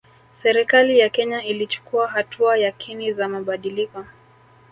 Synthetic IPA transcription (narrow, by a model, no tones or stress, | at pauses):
sɛɾikalijakɛɲailit͡ʃu̥kuaɦatʰuajakʰinizamaɓaɗilikɔ